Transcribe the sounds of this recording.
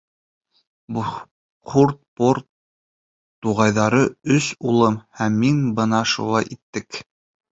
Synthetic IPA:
bu | qʰuɾt̪̚poɾt̪ː | uʁɑjðɑɾɤɵsulˠɤmhæmːinbɤ̆nɑʃṵlˠɑjʔit̪ːɘk

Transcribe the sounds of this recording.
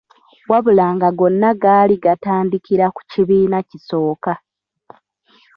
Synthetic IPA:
waβulaːŋɡaɡo̞nːaɡaːliɡataːndikiɾaku̥ciβiːnaciso̞ːka

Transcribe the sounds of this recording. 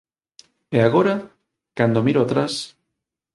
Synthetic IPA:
eaɣoɾa | kand̪omiɾoat̪ɾas

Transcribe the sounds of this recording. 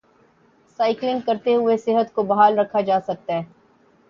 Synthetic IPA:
saːɪklɪ̃ŋɡ̚kɐɾt̪eɦʊesɪɦət̪kobɐɦaːlɾɐkʰːad͡ʒaːsɐk̚t̪aɦɛ̃ː

